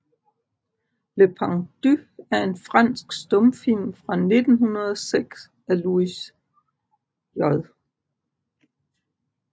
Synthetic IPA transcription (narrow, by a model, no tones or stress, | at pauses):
lepʰɑŋd̥yæɐe̝nfʁɑn̰sɡ̥sd̥ɔ̽mfil̰mfʁɑ̈ne̝d̥n̩ɦunɐð̞ˠɒ̽seɡ̥s | æluis | jɒðˠ